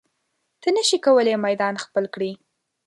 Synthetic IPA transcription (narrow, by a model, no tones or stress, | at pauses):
t̪ənəʃikawəlemajd̪ɑnxpəlkɽi